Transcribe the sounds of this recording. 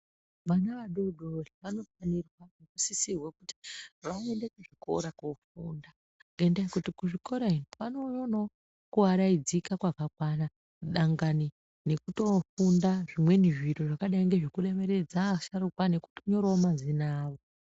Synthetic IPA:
ʋanaʋaɗo̞ɗʱoriʋano̞fanirwanekusisirwekuti̥ʋane̞ndekuʐiko̞̰ɾakofuːnda | ŋɡeendaekutikuʐiko̞ɾainwano̞jono | kuaɾaid͡zikakwakakwana | ɗaŋɡani | ne̞kuto̞fundaʐimwe̞niʐiɾoʐakaɗaiŋɡe̞ʐikure̞me̞ɾe̞d͡zaʃaɾukwane̞ku̥toɲo̞ɾoomazinaːʋo

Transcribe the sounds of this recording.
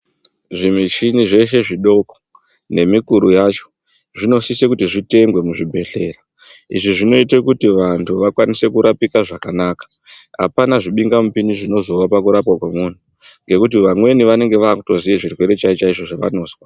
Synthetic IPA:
ʐimit͡ʃiniʐe̞ʃe̞ʐiɗo̞ko | ne̞mikuɾujat͡ʃo̥ | ʐino̞sisekutiʐite̞ŋɡwe̞muʐibʱe̞ɬe̞ra | ḭʐiʐino̞itekutiʋantʰuʋakwanise̞kuɾapikaʐakanaːkḁ | a̰panaʐiɓiŋɡamupiniʐino̞zo̞ʋapakuɾapwakwemun̤u | ŋɡe̞kut̬iʋamwe̞niʋane̞ŋɡe̞ʋaːkuto̞ziʋeʐirwe̞ɾe̞t͡ʃait͡ʃaiʐo̞ʐaʋa̰no̞ːswa

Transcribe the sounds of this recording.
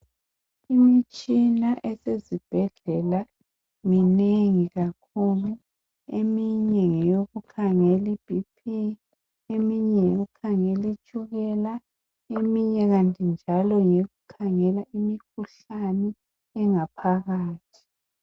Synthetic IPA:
imit͡ʃʼinaʔɛsezib̥ʱɛɮɛla | mineŋiɣakʰulu | emiɲɛŋɛjoɣukʰaŋɛlib̥ʱipʰi | emiɲɛjoɣukʰaŋelit͡ʃʼuɣɛla | emiɲɛɣantʼind͡ʒʱalɔŋeɣukʰaŋɛlaʔimikʰuɬ | anɛ | ɛŋapʰaɣaːtʰi̥

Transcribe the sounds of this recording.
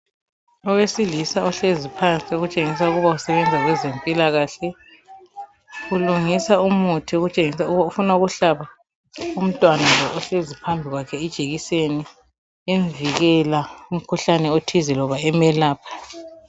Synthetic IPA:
ɔwesilisaɔɬezipʰant͡sʼioɣut͡ʃʼeŋis̬auɣuβausɛβɛnd͡zʱaɣwɛzempʼilaɣaɬɛ | ɣuluŋisaumutʰioɣut͡ʃʼeŋisaufunauɣuɬaβa | um̩tʼwanalɔʔɔɬezipʰambʱiɣwakʰɛid̥ʒ̥ʱeɣiseni | eɱviɣɛlaum̩kʰuɬanɛotʰizilɔβaɛmɛlaːpʰḁ

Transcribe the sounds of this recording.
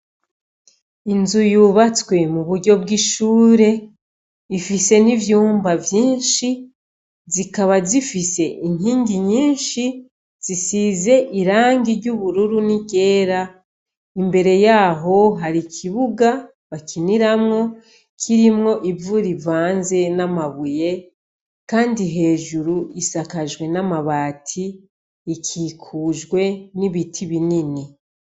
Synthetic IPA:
inzujuβat͡swe̞muβuɾɟo̞bɡiʃuːɾe̞ | ifise̞nivjuːmbavjiːnʃi | zikaβazifise̞ʔin̥hiːɲɟiɲiːnʃi | z̥isize̞ʔiɾaːŋɡiɾɟuβuɾuɾuniɟe̞ːɾa | imbe̞ɾe̞jaːɦo̞ɦaɾikʰiβuɡa | βakʰiniɾamŋo̞ | kʰiɾimŋo̞ʔivuɾivaːnze̞namaβuje̞ | kaːndiɦe̞ːʒuɾuisakaʒɡwe̞namaβaːtʰiː | kʰiːkʰuːʒɡwe̞niβitʰiβinini

